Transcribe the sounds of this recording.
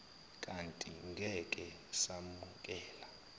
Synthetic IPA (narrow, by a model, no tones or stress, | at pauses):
kʼantʼiŋɡʱɛkʼɛ | samuk̬ʼɛːla